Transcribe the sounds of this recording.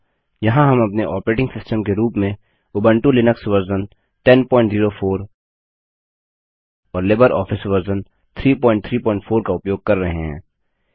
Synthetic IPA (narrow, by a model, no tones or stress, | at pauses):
jɐɦãɦɐmɐpneʔɔːpəɾeːʈɪ̃ŋɡsɪsʈəmkeɾuːpmẽ | ʊbə̃ɳʈulɪnəksʋɐɾzən | ʈɛnpɔ̃ːɪ̃ɳʈziːɾofʰoːɾ | ɔːɾleːbəɾʔɔːfɪsʋɐɾzən | t̪ʰɾiːpɔ̃ːɪ̃ɳʈt̪ʰɾiːpɔ̃ːɪ̃ɳʈfʰoːɾkaʊpjoːɡ̚kɐɾːɐɦḛɦɛ̰̃ː